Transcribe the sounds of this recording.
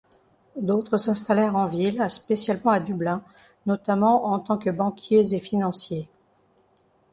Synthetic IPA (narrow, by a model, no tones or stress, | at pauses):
d̪ot̪χəsɛ̃st̪alɛʁɑ̃vilspesjalmɑ̃ad̪yblɛ̃ | nɔt̪amɑ̃ɑ̃t̪ɑ̃kəbɑ̃kʲjezefinɑ̃sje